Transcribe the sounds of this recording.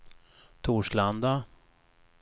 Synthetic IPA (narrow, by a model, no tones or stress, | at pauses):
t̪ʰuːʂland̪a